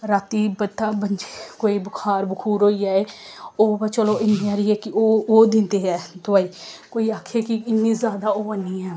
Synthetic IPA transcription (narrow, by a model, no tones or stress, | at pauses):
ɾaːt̪iːbət̪ːaːbənd͡ʒikoːiːbʊkʰaːɾbəkʰuːɾoːiːaːeːoːbat͡ʃəloːɪnĩaːɾiːɛːkɪoːoːd̪ɪ̃nt̪eːɦɛːt̪ʊaːiːkoːiːaːkʰeːkɪɪnːĩːzjaːd̪aːoːanĩːɛː